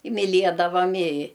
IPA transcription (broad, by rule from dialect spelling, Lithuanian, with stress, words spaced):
ɪ mʲɪˈlʲiɛdɐʋɐm ɪ